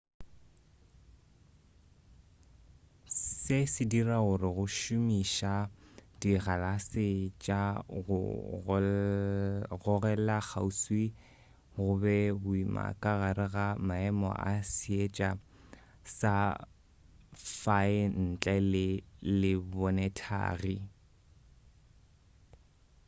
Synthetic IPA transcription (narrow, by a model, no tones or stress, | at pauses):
sɪsɪdiraɣʊrɪɣʊʃʊmiʃadiɣalasɪt͡ʃʼaɣʊ̰ | ɣʊɣɛlak͡xʰauswi | ɣʊbɛbʊima̰kʼaɣaɾɪɣamaɛmɔ̰ʔa̰siet͡ʃʼa | sa | faɪn̩t͡ɬʼɛlɪlɪbɔnɛtʰa̰ːɣi